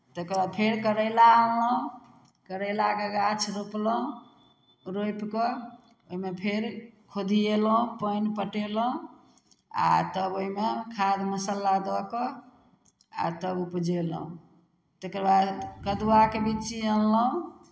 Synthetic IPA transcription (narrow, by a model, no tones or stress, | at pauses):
t̪ekəɾbad̪̚pʰeɾkəɾəlaəlləũ | kəɾəɪlakəɡat͡ʃʰɾopl̃ | ɾojpkɔ | oimepʰeɾkʰod̪ʱieləũpəjnpəʈelə̃ | a̰t̪əboimekʰad̪məsəlːad̪ɔkɔ | a̰t̪əbupd͡ʒelə̰ũ | t̪ekəɾbad̪kəd̪uakebit͡ʃiəlləũ